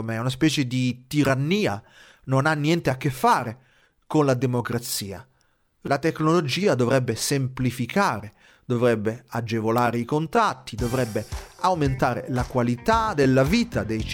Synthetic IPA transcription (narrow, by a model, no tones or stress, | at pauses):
omɛunaspɛːt͡ʃed̪it̪iɾanːiːa | nonanːjɛnt̪eakːefːaːɾe | konlad̪emokɾat̪siːa̰ | lat̪ekːnolod͡ʒiːad̪ovɾɛbːesemplifikʰaːɾe | d̪ovɾɛbːead͡ʒevolaːɾeikont̪ɾat̪ːid̪ovɾɛbːeawment̪aːɾḛlakwalit̪ad̪elːaviːt̪ad̪ej